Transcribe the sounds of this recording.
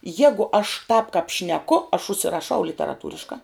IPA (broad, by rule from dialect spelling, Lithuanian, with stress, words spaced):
ˈjæːɡʊ ɐʃ tɑːp kɐp ʃʲnʲɛˈkʊ ɐʃ ʊʃʲsʲɪrɐˈʃɐʊ lʲɪtʲɛrɐˈtuːrʲɪʃkɐ